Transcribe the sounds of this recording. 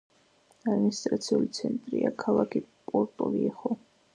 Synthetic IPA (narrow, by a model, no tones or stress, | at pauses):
ad̪minist̪ʼɾat̪sʰiulit̪sʰɛnt̪ʼɾiakʰalˠakʰipʼɔɾt̪ʼɔliɛχɔ